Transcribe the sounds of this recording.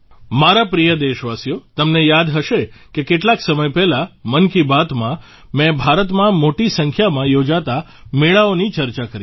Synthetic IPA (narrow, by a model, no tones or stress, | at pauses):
maɾapɾijəd̪eʃʋasijot̪əmnejad̪ɦəʃekekeʈlaksəməjpɛɦlamənkibat̪mã | mɛ̃bʱaɾət̪mãmoʈisəŋkʰjamãjod͡ʒat̪a | meɭaonit͡ʃəɾt͡ʃakəɾi